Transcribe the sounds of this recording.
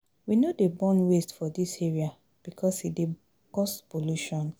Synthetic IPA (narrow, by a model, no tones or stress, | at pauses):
winodebɔ̃nwestfɔdiseɹia | b̥ikʰɔshide | kɔspoluʃɔ̃n